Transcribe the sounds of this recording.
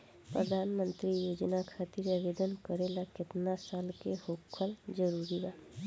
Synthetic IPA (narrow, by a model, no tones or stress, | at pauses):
pɾəd̪ʱaːnmə̃nt̪ɾijoːd͡ʒnakʰaːt̪ɪɾaʋeːd̪ənkəɾelakɪt̪nasaːlkehoːkʰːəld͡ʒəɾuːɾibaː